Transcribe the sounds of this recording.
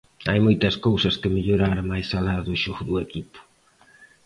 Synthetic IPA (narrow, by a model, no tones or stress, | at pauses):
ajmojt̪ɐskowsɐskɪmeʎoɾaɾmajsalaðːʃoɣʊðʊekipʊ̥